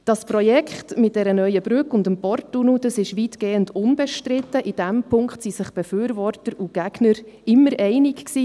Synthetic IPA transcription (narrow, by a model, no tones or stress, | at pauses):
d̥ɑspɾɔjɛkχtmɪtdɛɾənœʏəb̥ɾʉkʊndəmpɔrtːunud̥ɑsɪʃʋitɡ̥eːəndʊnbɛʃtɾɪtːəʔid̥ɛmpʰʊŋkχtsisɪχb̥ɛfyːɾvɔrtəɾuɡ̥æɡ̥nəɾɪmːəɾɛɪnɪkksiː